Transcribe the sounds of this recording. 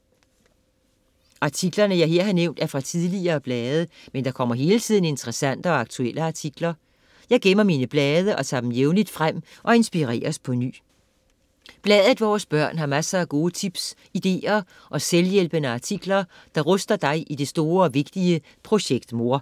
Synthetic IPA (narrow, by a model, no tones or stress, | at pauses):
ʔɑ̈t͡sʰiɡ̥lɐnəjɑ̈ɪɦe̝ɐ̰ɦɑneʊ̰nd̥æɐfʁɑ̈t͡sʰiðˠliɐːb̥lɛːð̞ˠəmend̥ɑ̈kʰɒ̽m̰ɐɦe̝ːlət͡sʰið̰ˠn̩e̝nt͡sʰəʁɛsæn̰d̥əɒ̽ɑ̈ɡ̥̚t͡sʰueləɑ̈t͡sʰiɡ̥lɐ | jɑ̈ɪɡ̥emɐmiːnəb̥lɛːð̞ˠəʔɒ̽t͡sʰɑ̰d̥emjeʊnlid̥fʁam̰ʔɒ̽e̝nsb̥iʁɛ̰ːɐspʰɒ̽ny̰ː | b̥lɛːðˠðd̥ˠʋɒːsb̥ɶɐ̰nɦɑ̈mæsɐæɡ̥o̝ːət͡sʰib̥s | id̥e̝̰ːɐ | ʔɒ̽seljel̰b̥ənəɑ̈t͡sʰiɡ̥lɐ | d̥ɑ̈ʁɔ̽sd̥ɐd̥ɑ̈ɪʔid̥e̝sd̥o̝ːɐɒ̽ʋe̝ɡ̥̚d̥iə | pʰʁo̝ɕeɡ̥d̥mo̝ɐ̰